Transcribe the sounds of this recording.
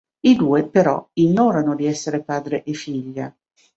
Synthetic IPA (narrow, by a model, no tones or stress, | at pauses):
id̪uːepeɾɔ̰iɲːɔːɾanod̪iɛsːeɾepaːd̪ɾeʔefiʎːa